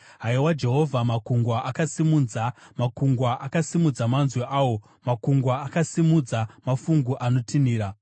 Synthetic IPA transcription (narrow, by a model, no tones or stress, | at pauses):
ɦaiwad͡ʒe̞ɦo̞vʱamakuŋɡwaʔakasimuːnd͡zamakuŋɡwaʔakasimud͡zamanzweʔaːwo̞ | makuŋɡwaːkasimud͡zamafuŋɡuʔano̞tʰiniːɾa